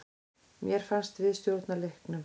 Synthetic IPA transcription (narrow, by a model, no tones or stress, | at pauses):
mjɛɾ̥fanst̪vɪðst̪jowlt̪nalehknʏm